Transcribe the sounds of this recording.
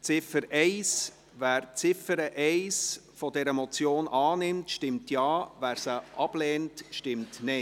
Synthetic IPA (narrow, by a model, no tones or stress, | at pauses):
t͡sɪfəɾɛɪs | væːɾt͡sɪfəɾəʔɛɪsfɔdɛɾəmɔt͡sjoːnʔɑːnɪmtʃtɪmtjɑːvæːɾsəʔɑb̥lɛːntʃtɪmtnɛɪ